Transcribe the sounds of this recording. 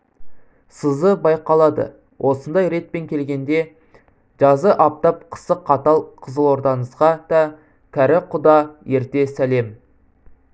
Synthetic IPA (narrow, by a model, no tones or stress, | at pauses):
səzəbɑjqɑlˠɑd̪ə̰ | wʔo̞sənd̪ɑjɾe̞t̪̚pe̞ŋkʲʰe̞lɡʲe̞nd̪e̞ | ʒ̥ɑzəʔɑp̚t̪ɑp̚qʰə̥səqʰːɑt̪ɑlˠqʰəzəlˠo̞ɾd̪ɑnəzʁɑd̪̥ɑ | kʲʰæɾɪqʰʊd̪ɑje̞ɾt̪e̞sæle̞m